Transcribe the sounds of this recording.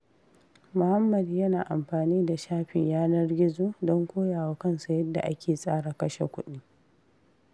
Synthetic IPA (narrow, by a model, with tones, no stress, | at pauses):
mʊ˨ha˦mːɐ˨djɐ˦naː˨ʔa˨mɸaː˨niː˦da˨ʃaː˦ɸɪ̰˨ɲjaː˦nɐ˦rɡʲɪ˦zoː˦dɔ˦ŋkʷoː˦jaː˨wa˦kɐ˦nsa˨jɐ˦dːa̰˨ʔa˦kʲeː˨sʼaː˦ɽa˨kɐ˦ʃḛ˨kʷʊ˦ɗi˦